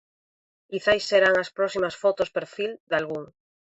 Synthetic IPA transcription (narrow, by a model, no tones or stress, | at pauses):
kiθajsːeɾaŋaspɾosimasfot̪ospeɾfild̪alɣuŋ